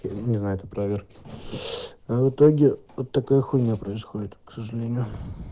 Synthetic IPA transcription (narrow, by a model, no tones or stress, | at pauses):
nʲɪznajʊɛt̪əpɾɐvʲerkʲɪ̥ | avɨt̪oɡʲɪot̪ːɐkojəxunʲəpɾəɪsxodʲɪt̪ksəʐɨlʲenʲɪjʊ